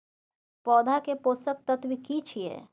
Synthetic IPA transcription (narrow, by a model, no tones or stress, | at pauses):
pɔːd̪ʱakepoːsək̚t̪ət̪wikit͡ʃʰiḛː